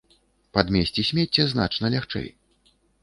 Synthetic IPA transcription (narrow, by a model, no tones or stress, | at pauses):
pad̪mʲesʲt͡sʲisʲmʲet͡sʲːɛzna̰t͡ʂnɐlʲaxt͡ʂɛ̰j